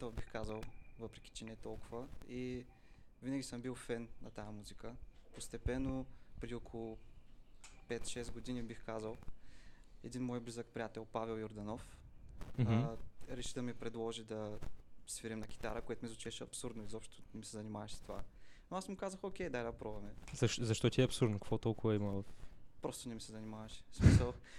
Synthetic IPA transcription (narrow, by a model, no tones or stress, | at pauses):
t̪ɔvbixkazəlˠvɤpɾɛk̟ʲi̥t͡ʃɛnɛɛt̪ɔlˠkʊvəi | vinəɡʲisɤmbilˠfɛnːɐt̪ajɐmuzikəpost̪ɛpɛnːopɾɛd̪iokʰolˠʊ | pɛt̪ʃɛsɡod̪inibixkazəlˠ | ɛd̪inmɔjblizək̚pɾʲijat̪ɛlˠpavɛlˠjoɾd̪ɐnɔfmɾɛʃid̪ɐmipɾɛd̪lˠɔʒid̪ɐsviɾimnɐkʲi̥t̪aɾəkoɛt̪ʊmizot͡ʃɛʃɐpsuɾd̪noizɔpʃt̪ʊ̥nɛmisɛzɐnimavɛʃst̪ova̰noasmʊkazəxokʲɛjd̪alɛpɾɔvɐmɛzɐʃzɐʃt̪ɔt̪iɛɐpsuɾd̪nokɐkvɔt̪ɔlˠkʊvɐiməvfpɾɔst̪ʊnɛmisɛzɐnimavɐʃi̥smisəlˠ